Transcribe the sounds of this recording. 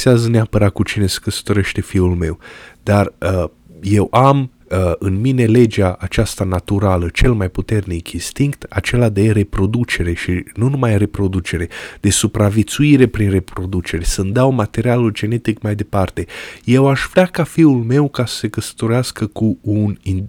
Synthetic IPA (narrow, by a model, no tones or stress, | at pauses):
seazəneapəɾat̪̚kut͡ʃine̞sə̥kəsə̥t̪o̞ɾe̞ʃt̪e̞fiulme̞wd̪̥arə | je̞wʔam | əɨnmine̞le̞d͡ʒaʔat͡ʃast̪anat̪uɾalət͡ʃe̞lmajput̪e̞rnikinst̪iŋkt̪a̰t͡ʃe̞lad̪e̞re̞pɾo̞d̪ut͡ʃe̞ɾe̞ʃinunumajre̞pɾo̞d̪ut͡ʃe̞ɾe̞d̪̥e̞supɾavet̪suiɾe̞pɾinre̞pɾo̞d̪ut͡ʃe̞ɾesənd̪awmat̪e̞ɾialuld͡ʒe̞ne̞t̪ikmajd̪e̞part̪e̞je̞waʃvɾʲeakafiulme̞wkasə̥se̞kəsə̥t̪o̞ɾeaskəkuunin